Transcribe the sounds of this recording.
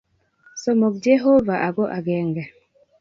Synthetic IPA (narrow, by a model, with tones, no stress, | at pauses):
sɔ˦mɔ˨k̚d͡ʒe˦ɦo˦va˨ʔa˨ɡɔ˦ʔa˨ɡɛ˨ŋɡɛ˨